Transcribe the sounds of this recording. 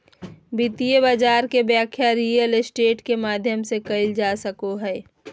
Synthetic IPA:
bit̪ijəbaːd͡ʒaːɾkebjaːkʰjaɾiːjəlsʈeːʈkemaːd̪ʱjəmsekəɪld͡ʒaːsəkoɦɛː

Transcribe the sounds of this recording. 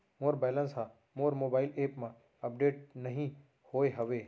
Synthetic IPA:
moːɾbɛːlə̃nsɦã | moːɾmoːbaːɪleːpmã | ɐp̚ɖeːʈ̚nɐɦĩ | hoːeɦɐʋeː

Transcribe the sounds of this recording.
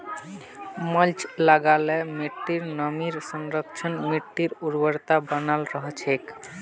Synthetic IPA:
məlt͡ʃlaɡalemiʈːiɾnəmiɾsənɾəkt͡ʃʰənmiʈːiɾuɾbəɾt̪abənalɾəɦt͡ʃʰek

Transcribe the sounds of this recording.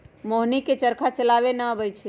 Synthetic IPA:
moɦniket͡ʃəɾkʰat͡ʃəlabenəbəjt͡ʃʰi

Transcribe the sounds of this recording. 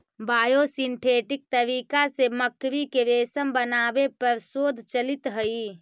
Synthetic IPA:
baːjosinʈ̪ʰeʈik̚t̪əɾikaseməkɾikeɾeːsəmbənaːbepəɾsoːd̪ʱt͡ʃəlit̪ɦəi

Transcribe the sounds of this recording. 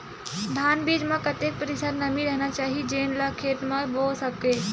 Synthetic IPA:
d̪ʱaːnbiːd͡ʒmãkɐt̪ek̚pəɾɪsəɾnɐmĩɾəɦnat͡ʃaːɦid͡ʒeːnlakʰeːʈ̪mãboːsɐkkeː

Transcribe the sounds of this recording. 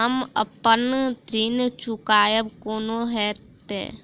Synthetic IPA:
əmə̰pənɖint͡ʃʊkaːjəbkoːnoɦɛːtt̪ḛː

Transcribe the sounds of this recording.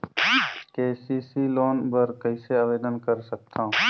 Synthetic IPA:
keːsiːsiloːnbəɾkɐiseaːʋeːd̪ənkəɾsək̚t̪ʰãː

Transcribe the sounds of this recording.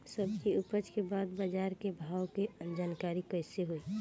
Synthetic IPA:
səbkiʊpət͡ʃkebaːd̪bəd͡ʒaːɾkebʱaːwked͡ʒaːnkaːɾikəɪseɦoi

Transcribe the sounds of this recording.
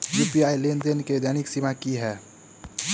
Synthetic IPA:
juːpiaːilend̪enked̪jaːnɪksimakiɦɛː

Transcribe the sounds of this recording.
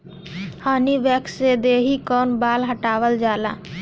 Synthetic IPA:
haːniʋɛːksed̪eːɦikɔːnbaːlɦəʈaːʋəld͡ʒaːlaː

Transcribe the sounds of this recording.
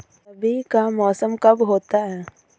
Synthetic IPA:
sɐbʱikamɔːsəmkɐbɦoːt̪aɦɛː

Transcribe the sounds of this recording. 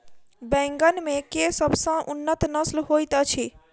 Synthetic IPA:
bɛ̃ŋɡənmẽkesəbsə̃ʔunːət̪nəslɦojt̪ət͡ʃʰi

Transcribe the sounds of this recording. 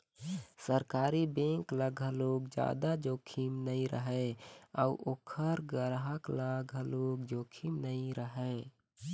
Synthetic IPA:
səɾkaːɾibẽŋkləɡʱəloɡd͡ʒa̰d̪ad͡ʒoːkʰimnəĩɾə̰ɦɛauʔokʰəɾɡəɾɦəkləɡʱəloɡd͡ʒoːkʰimnəĩɾəɦɛ

